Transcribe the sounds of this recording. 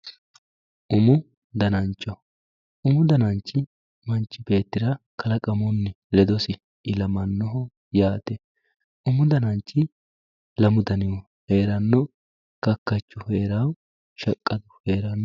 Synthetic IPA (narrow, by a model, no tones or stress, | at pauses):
ʔʊmʊ | d̪ɐnɐnt͡ʃʼːɔ | ʊmʊd̪ɐnɐnt͡ʃːɪ | mɐnt͡ʃʼːɪbe̞ːt̪ːɪɾɐkʰɐlɐkʼɐmʊnːɪ | lɛd̪ɔsɪ | ɪlɐmɐnːɔɦɔ | jaːt̪ɛ | ʔʊmʊd̪ɐnɐnt͡ʃːɪ | lɐmʊd̪ɐnɪwɔ | he̞ːɾɐnːɔ | kɐkːɐt͡ʃːʊheːɾaw | ʃɐkʼːɐd̪ʊheːɾɐnːɔ